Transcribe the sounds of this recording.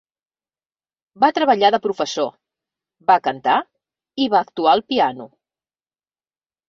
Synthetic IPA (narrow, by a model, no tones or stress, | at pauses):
bat̪ɾəβəʎaðəpɾufəso | bakənt̪a | iβaːkt̪uaəlˠpianu